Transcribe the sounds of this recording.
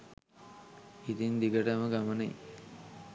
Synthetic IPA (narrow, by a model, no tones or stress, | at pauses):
it̪ind̪iɡəʈəməɡamənəj